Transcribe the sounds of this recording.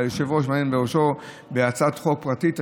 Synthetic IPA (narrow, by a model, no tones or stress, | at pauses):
joʃevoʃ̬maenbeoʃo | beat͡sat̪χo̞k̚pʁatit̪a